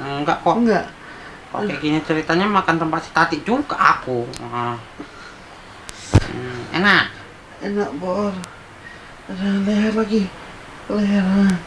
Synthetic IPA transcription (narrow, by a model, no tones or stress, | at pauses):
ŋɡaʔkoŋɡaʔ | ko̰kɛɡinit͡ʃəɾit̪aɲamakant̪əmpat̪̚si̥t̪ad̪iʔd͡ʒuɡaʔaku | ɛ̰naʔ | enaʔbor | nalɛɦɛrlaɡi | lɛɦɛra